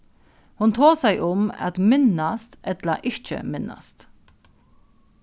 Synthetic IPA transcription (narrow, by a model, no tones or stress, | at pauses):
hʊnt̪ʰoːsæɪʔʊmɑ̰t̪mɪnɑst̪ɛt̪ləʔɪc͡çə̰mɪnɑ̰st̪